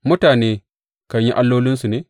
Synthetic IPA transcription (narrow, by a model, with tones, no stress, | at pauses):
mʊ˦taː˨neː˦ | ka˦ɲji˦ʔa˦lːoː˦lɪ˦nsu˨neː˨˦